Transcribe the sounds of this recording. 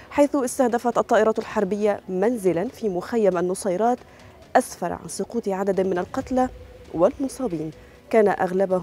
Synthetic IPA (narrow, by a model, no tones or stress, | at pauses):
ħajθʊʔɪst̪ahd̪afat̪ʔɑt̪ˤːɑːʔɪɾˤɑːt̪alħɑɾˤbɪjːamanzɪlanfiːmʊxajːamanːʊsˤɑːɾˤɑːt̪ | ʔasfɑ̰ɾ̰ˤʕa̰nsˤʊquːt̪ʕad̪ad̪mɪnalqɑt̪lawɪlmʊsˤɑːbiːn | kaːna̰ʔaɣlaba